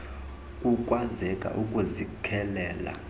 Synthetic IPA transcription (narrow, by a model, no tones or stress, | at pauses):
kʼukʼwazɛkʼa̰ʔukʼuzikʰɛlɛːla̰